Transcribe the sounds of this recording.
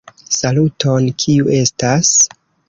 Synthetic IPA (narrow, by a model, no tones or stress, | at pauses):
saluto̞nkʰiuʔe̞stas